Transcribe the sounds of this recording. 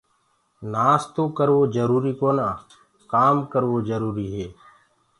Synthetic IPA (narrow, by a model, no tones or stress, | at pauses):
naːst̪oːkəɾʋoːd͡ʒəɾuːɾiːkoːnaː | kaːmkəɾʋoːd͡ʒəɾuːɾiːɦeː